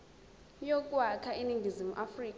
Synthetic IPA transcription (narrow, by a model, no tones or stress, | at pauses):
jɔkʼwakʰainiŋɡʱizimṵʔafriːkʼ